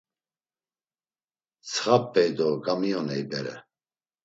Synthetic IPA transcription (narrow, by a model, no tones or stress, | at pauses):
t͡sʰχapʼːɛjd̪ɔɡamijɔnɛjbɛɾɛ̰